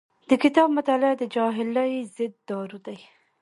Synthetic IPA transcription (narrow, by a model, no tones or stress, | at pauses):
d̪̥əkɪt̪ɑbmʊt̪ɑlɪd̪əd͡ʒɑɦɪləjzɪd̪ːɑɾud̪aj